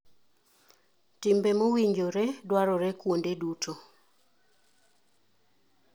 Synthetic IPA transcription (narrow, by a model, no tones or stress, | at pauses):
tɪmbemowiɲd͡ʒoɾedwaɾɔɾekwondedutʰo